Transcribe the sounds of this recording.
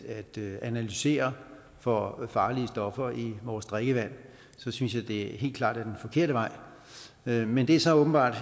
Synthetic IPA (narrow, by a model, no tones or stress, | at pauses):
æd̥ænælyse̝̰ːɐ | fɒ̽fɑ̈ːliəsd̥ɒ̽fɐiʋɒːsd̥ʁɛɡ̥əʋæn̰ | sɒ̽synsjɑ̈ɪd̥e̝ɦe̝̰ːl̥kʰlɑ̰̈ːd̥æɐd̥enfɒ̽kʰe̝ɐ̰ɾəʋɑ̈ɪ̰ | mend̥e̝æɐsɒ̽ɔ̽ːb̥n̩b̥ɑ̰̈ːd̥